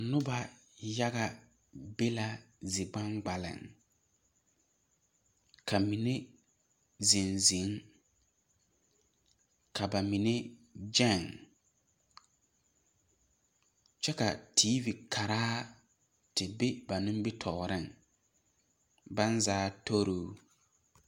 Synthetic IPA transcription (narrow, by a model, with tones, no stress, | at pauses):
nʊ˦ba˨ja˦ɣa˦ | be˦la˦zɪ˨ɡ͡ba˦ŋɡ͡ba˨lɪ̰˨ŋ | kʰa˨mi˨ne˦ | zi˨nzi˨˦ŋ | kʰa˨ba˨mi˨ne˦d͡ʒɛ˦˨ŋ | t͡ʃɛ˦ka˨tʰi˦vi˨kʰa˨ɾaː˦ | tɪ˨be˦ba˨nʊ̃˦m˦bɪ˦tʰɔ˨ɾɪ˦˨ŋ | ba˦nzaː˦tʰo˦ɾoː˦